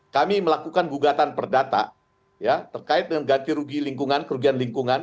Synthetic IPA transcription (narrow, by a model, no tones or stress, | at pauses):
kamiməlakukanɡuɡat̪anpərdat̪a̰ | jat̪ərkaɪt̪̚dəŋanɡant̪iɾuɡiliŋkuŋankəɾuɡianliŋkuŋan